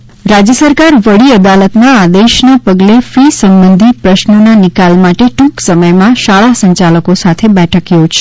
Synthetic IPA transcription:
ɾad͡ʒjəsəɾkaɾʋəɽiəd̪alət̪naːd̪eʃnapəɡlefisəmbənd̪ʱipɾəʃnənanikalmaʈeʈũksəməjmãʃaɭasəɲt͡ʃaləkosat̪ʰebɛʈʰəkjod͡ʒʃe

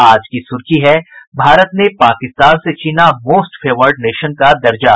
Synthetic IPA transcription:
aːd͡ʒkisʊɾkiɦɛbʱaːɾət̪nepaːkɪst̪aːnset͡ʃiːnamoːsʈfʰeːʋəɾɖneːʃənkad̪ɐɾd͡ʒa

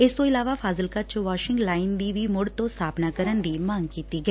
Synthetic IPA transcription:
ɪst̪õːɪlaːʋaːpʰaːzəlkət͡ʃʋaːʃɪ̃ŋɡlaːɪnd̪iːʋiːmʊɽt̪õːst̪ʰaːpnaːkəɾənd̪iːmaːŋɡkiːt̪iːɡəeː

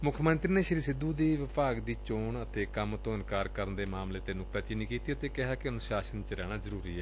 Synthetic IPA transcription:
mʊkʰmənt̪ɾiːneːʃəɾiːsɪd̪uːd̪iːʋɪpaːɡd̪iːt͡ʃoːɳət̪ʰeːkəmt̪õːɪnkaːɾkəɾənd̪eːmaːmleːət̪eːnʊk̚t̪aːt͡ʃiniːkiːt̪iːət̪eːkɪɦaːkɪʊnũːʃaːsənt͡ʃɾɛːɽ̃aːzəɾuːɾiːɛː

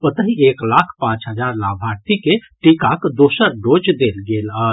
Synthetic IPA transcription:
pət̪əɦieklakʰpãt͡ʃɦəd͡ʒaɾlabʱaɾt̪ikeʈikakd̪osəɾɖod͡ʒd̪elɡelə

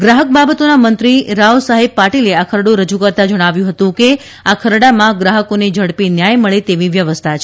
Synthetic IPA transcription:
ɡɾaɦək̚babət̪onamənt̪ɾiɾausaɦeb̚paʈileakʰəɾɽoɾəd͡ʒukəɾt̪ad͡ʒəɽ̃aʋjũɦət̪ũke | akʰəɾɽamãɡɾaɦəkoned͡ʒʱəɽpinjajməɭet̪eʋiʋjəʋəst̪ʰat͡ʃʰe

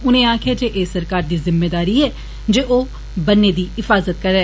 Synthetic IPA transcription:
ʊnẽːaːkʰɪjaːd͡ʒeːʔeːsːəɾkaːɾd̪iːzɪmːeːd̪aːɾiːɛː | d͡ʒeːʔoː | bənːeːd̪iːɪfaːzət̪̚kəɾɛː

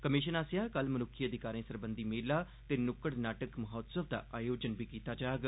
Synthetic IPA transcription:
kəmɪʃənaːsjaːkəlmənʊkʰːiːəd̪ɪkaːɾẽːsəɾbənd̪iːmeːlaː | t̪eːnʊkəɽnaːʈəkməɦɔːt̪səʋd̪a̰ːʔaːjoːd͡ʒənbiːkiːt̪aːd͡ʒaːɡ

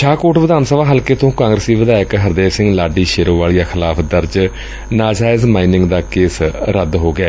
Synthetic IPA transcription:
ʃʰaːkoːʈʋɪd̪aːnsəʋaːɦəlkeːt̪õːkãːŋɡɾəsiːʋɪd̪aːɪkɦəɾd̪eːɾsɪ̃ŋɡlaːɖiːʃeːɾõːʋaːlijaːxʰɪlaːpʰd̪əɾd͡ʒ | naːd͡ʒaːɪzmaːinɪ̃ŋɡd̪aːkeːsɾəd̪ɦoːɡɪɛː

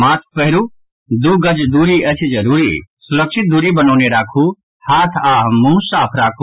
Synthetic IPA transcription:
maːt̪ʰpəɦɾu | d̪uːɡəd͡ʒd̪uːɾiɐt͡ʃʰid͡ʒɐɾuːɾisʊɾəkʃɪt̪̚d̪uːɾibɐnoːneɾaːkʰu | haːt̪ʰaːɦmũːsaːpʰɾaːkʰu

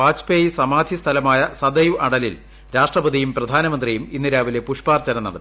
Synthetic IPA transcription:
aːd͡ʑpeːjisɐmaːd̪ʱist̪ʰɐlɐmaːjɐsɐd̪ɐjuʔɐɽɐlil | ɾaːʂʈrɐbɐd̪ijumprɐd̪ʱaːnɐmɐnd̪rijuminːiɾaːʋile̞puʂpaːrt͡ɕɐnɐnːɐɽɐt̪ːi

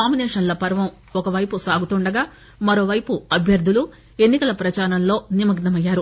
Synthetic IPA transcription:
naːmineːʂɐnlɐpɐɾʋɐm | ɔkɐʋɐjpusaːɡut̪uɳɖɐɡaː | mɐɾo̞ːʋɐjpuɐbʱjɐɾd̪ʱulu | e̞nːikɐlɐpɾɐt͡ʃaːɾɐnlo̞ːnimɐɡnɐmɐjːaːɾu

